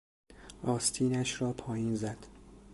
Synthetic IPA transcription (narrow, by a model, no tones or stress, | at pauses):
ɒːst̪ʰiːnæʃɾɒːpʰɒːjiːnzæd̪̥